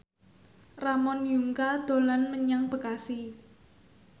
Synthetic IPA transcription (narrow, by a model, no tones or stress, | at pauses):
ramɔnjuŋkad̪̥o̤lanməɲaŋb̥ə̤kasi